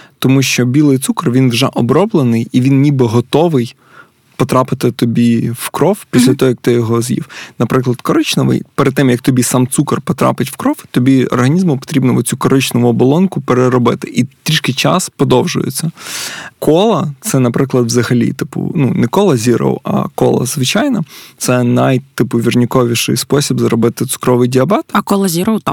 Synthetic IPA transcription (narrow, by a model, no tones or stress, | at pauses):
t̪ɔmuʃt͡ʃɔbʲilˠɪjt̪sukɐrʋʲinʋʒɛʔɔbɾɔblˠenɪjiʋʲinːnʲibɪɦɔt̪ɔʋɪj | pɔt̪ɾɑpɪt̪ɪt̪ɔbʲiwkɾɔwpʲisʲlʲɐt̪ɔɦɔjɐk̚t̪ɪjɔɦɔzjḭwnɐpɾɪklˠɐd̪kɔɾɪt͡ʃnɔʋɪ̰jpɛɾd̪̚t̪ɪmjɐk̚t̪ɔbʲisɑmt̪sukɐrpɔt̪ɾɑ̰pɪtʲwkɾɔwt̪ɔbʲiɔ̰rɦɐnʲizmʊpɔ̥t̪ɾʲibnɔʋɔt͡sʲukɔɾʔɪt͡ʃnɔʋʊɔbɔlˠɔnkʊpeɾeɾɔbɪt̪ɪʔit̪ɾʲiʃkɪjt͡ʃɑspɔd̪ɔwʒʊ̰jḛt͡sʲːɐkʰɔlˠɐt̪sɛnɐpɾɪklˠɐd̪ʋzɐɦɐlʲḭt̪ɪpʊ̰nunɛkɔlˠɐzʲiɾɔ̰wɐ̰kɔ̰lˠɐ̰zʋɪt͡ʃajnɐt̪sɛnajt̪ɪpʊʋʲirnʲɪkɔʋʲiʃɪ̰jspɔsʲibzɐɾɔbɪt̪ɪt̪sʊ̥kɾɔʋɪjdʲiɐbɛt̪ɐkɔlˠɐzʲiɾowt̪